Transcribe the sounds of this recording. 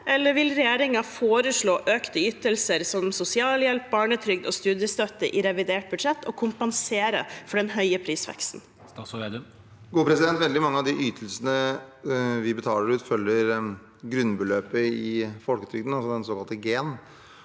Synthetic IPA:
ʔɛlːəʋɪlɾɛjeːɾɪŋɑfoːɾəʂɭoːʔøːkt̪əyːt̪əlsəɾsɔmsʊsɪɑːljɛlp̚bɑːɳət̪ʰɾʏɡ̚d̪ɔst̪ʉːd̪jəst̪œt̪ːəʔɪɾɛʋɪd̪eːʈ̚bʉd̪ʂɛt̪ːʰɔkʰʊmpɑnseːɾə̰fɔɖɛnɦœʏəpʰɾiːsʋɛ̰kst̪n̩ | ɡuːəpɾɛsɪd̪ɛnt̪ʋɛld̪ɪmɑŋːəɑʋd̪ɪʔyːt̪ʰəlsənə | ʋɪbət̪ʰɑːləɾʉːt̪fœljəɾ | ɡɾʉnːbəløːpəɪfɔlkət̪ʰɾʏɡd̪n̩ɑlsɔd̪ɛnsoːkɑlt̪əɡeːn

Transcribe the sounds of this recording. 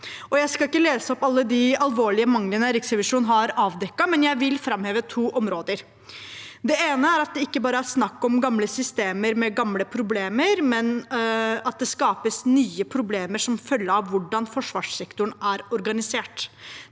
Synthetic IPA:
ɔjæɪskɑlɪkːəleːsəɔpɑlːəd̪ɪɑlʋoːɭɪəmɑŋlənəɾɪksɾɛʋɪʂuːnɦɑɾɑːʋd̪ɛkːɑmɛnjæɪʋɪlfɾɑmheːʋət̪ʰuːʔɔmɾoːd̪əɾ | d̪ɛeːnəæɾɑt̪̚d̪ɛɪkːəbɑːɾəæɾsnɑkːɔmɡɑmləsʏst̪eːməɾmɛɡɑmləpʰɾʊbleːməɾmɛn | ɑt̪̚d̪ɛskɑːpəsnyːəpʰɾʊbleːməʂɔmfœlːəɾɑʋʋʊɖɑnfɔʂʋɑːʂsɛkt̪ʊɳæɾɔɾɡɑnɪseːʈ

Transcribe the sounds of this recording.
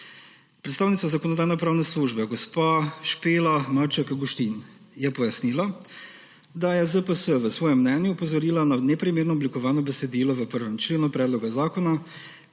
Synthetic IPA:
pɾɛt̪st̪aːwnit̪sazakoɔnɔd̪aːjnɛpɾaːwnɛsluʒbɛɡɔspaʃpeːlamaɾt͡ʃakɡuʃt̪in | jɛpɔjasnila | d̪ajɛzəpəsəʋəsʋɔːjɛmːnɛːnjuːpɔzɔɾiːlananɛpɾimeːɾnɔɔblikɔʋaːnɔbɛsɛd̪iːlɔʋəpəɾʋɛmt͡ʃleːnupɾɛːd̪lɔɡazaːkɔna

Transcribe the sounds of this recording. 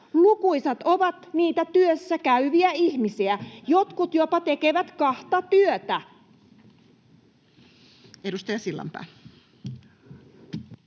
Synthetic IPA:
lukujsɑt̪o̞ʋɑt̪niːt̪æt̪yøsːækæyʋiæiçmisiæjo̞t̪kut̪jo̞pɑt̪e̞ke̞ʋæt̪kɑht̪ɑt̪yøt̪æ | edust̪ɑjɑsilːɑ̰mpæ̰ː

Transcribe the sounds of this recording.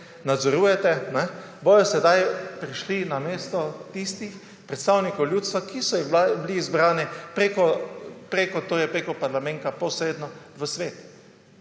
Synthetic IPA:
nad̪zɔɾuːjɛt̪ɛnɛ | bojɔsɛd̪ajpɾiʃlinameːst̪ɔt̪ist̪ix | pɾɛt̪st̪aːwnikɔwljuːt̪st̪ʋakisɔjibbliːzbɾaːnɛpɾekɔpɾeːkɔt̪oːjɛpɾekɔpaɾlamɛ̃nt̪apɔsɾeːd̪nɔʋəsʋeːt̪u̥

